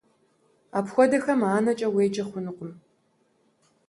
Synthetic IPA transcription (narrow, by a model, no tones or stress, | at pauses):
aːpxʷɔdɐxɐmaːnɐt͡ʃʼɐweːd͡ʒʼɐχʷʊnɨqʷʼʊm